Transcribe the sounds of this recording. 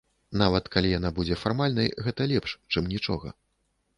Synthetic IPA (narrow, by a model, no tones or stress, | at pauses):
navɐt̪kalʲijanabud͡zʲɛfarmalʲnɐjɣɛt̪ɐlʲɛpʂt͡ʂɨmnʲit͡ʂɔɣɐ̰